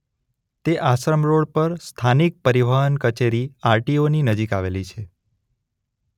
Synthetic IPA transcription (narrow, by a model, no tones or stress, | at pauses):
t̪eʔaʃɾəmɾoɽpəɾst̪ʰanik̚pəɾiʋaɦənkət͡ʃeɾiaɾʈioninəd͡ʒikaʋelit͡ʃʰe